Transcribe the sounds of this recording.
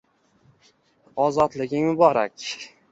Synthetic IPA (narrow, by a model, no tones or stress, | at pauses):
ɒzɒt̪lɪɡʲɪŋmʊbɒɾakʲ